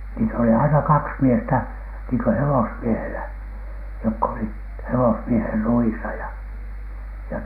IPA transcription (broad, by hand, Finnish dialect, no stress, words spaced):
niːt oli ɑinɑ kɑks miestæ niːŋkø hewosmiehelæ jokː olit hewosmieher ruisɑ jɑ jɑ